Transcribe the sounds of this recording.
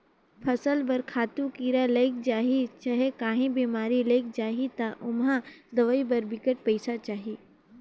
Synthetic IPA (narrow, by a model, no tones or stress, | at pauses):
pʰɐsəlbɐɾkʰaːt̪ũkiːɾalɐɪk̚d͡ʒaːɦit͡ʃaɦekaːɦĩbiːmaːɾilɐɪk̚d͡ʒaːɦit̪aʔʊmɦãd̪ɐʋaibɐɾbɪkəʈ̚pɐɪsat͡ʃaːɦiː